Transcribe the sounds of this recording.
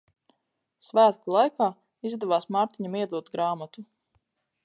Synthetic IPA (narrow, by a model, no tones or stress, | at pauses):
svæːt̪kulˠajkaː | izd̪ɛvaːsmaːɾt̪iɲamiɛd̪lˠuɔt̪ɡɾaːmat̪u